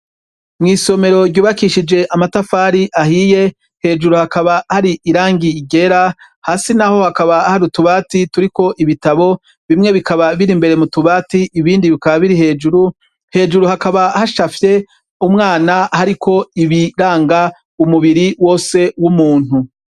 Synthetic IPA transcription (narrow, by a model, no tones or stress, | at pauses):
mŋiːso̞me̞ɾo̞ɟɟuːβakiʃid͡ʒe̞ʔamatafaːɾiʔahije̞ | he̞ːd͡ʒuɾuhakaβahaɾiʔiɾaːŋɡiːɡe̞ɾa | haːsinaho̞hakaβahaɾutuβaːtituɾiko̞ʔiβitaβo̞ | βimŋe̞βikaβaβiɾimbe̞ɾe̞mutuβaːtiʔiβiːndiβikaβaβiɾihe̞ːd͡ʒuɾu | he̞ːd͡ʒuɾuhakaβahaʃafje̞ | umŋaːnahaɾikʰo̞iβiɾaːŋɡa | umuβiɾiwo̞ːse̞wumuːn̥hu